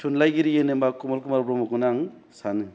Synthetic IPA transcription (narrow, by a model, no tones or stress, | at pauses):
tʰunlajɡiɾijenɯmbakumɔlkumaɾpɾɔmɔkɯnaŋ | sanɯ